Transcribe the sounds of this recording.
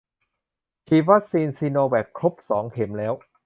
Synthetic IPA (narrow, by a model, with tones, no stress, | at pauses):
t̪ʰiː˧˩wa˦˥k̚siː˧nsiː˧noː˧wɛː˨˩kʰɾo˦˥p̚sɔː˩˦ŋkʰe˩˦mlɛː˦˥w